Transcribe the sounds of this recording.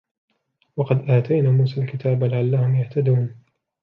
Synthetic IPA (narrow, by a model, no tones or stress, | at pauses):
wɑqɑd̪ʔaːt̪ʰajnaːmuːsaːlkɪt̪ʰaːblɪʕalːahʊmjaht̪ad̪uːn